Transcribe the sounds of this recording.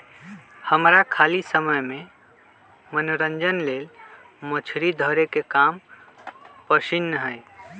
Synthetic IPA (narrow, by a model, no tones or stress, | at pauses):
həmɾakʰalisəməjme | mənoɾənd͡ʒənlel | mət͡ʃʰɾid̪ʱəɾekekam | pəsinːəɦəj